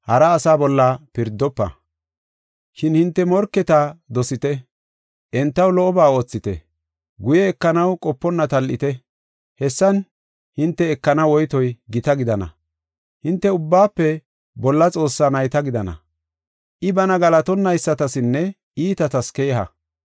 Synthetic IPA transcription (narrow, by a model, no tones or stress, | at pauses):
hɐɾɐːsaːbɔlːɐpɪɾd̪ːɔpːɐ̰ | ʃɪnhɪnt̪ːɛmɔɾkːɛt̪aːd̪ɔsɪt̪ɛ | ʔɛnt̪ːɐwlɔʔɔbaːo̞ːt͡sːɪt̪ɛ̰ | ɡʊjɛːkːɐnɐwkʼɔpːɔnːɐt̪ɐlʔɪ̰t̪ɛ | hɛsːɐn | hɪnt̪ːɛːkːɐnɐwɔjt̪ɔjɡɪt̪ɐɡɪd̪ɐnɐ̰ | hɪnt̪ːɛʊbːaːpːɛ | bɔlːɐt͡sʼo̞ːsːaːnɐjt̪ɐɡɪd̪ɐnɐ̰ | ʔɪbɐnɐɡɐlɐt̪ɔnːɐjsːɐt̪ɐsɪnːɛ | iːt̪ɐt̪ɐskeːɦɐ̰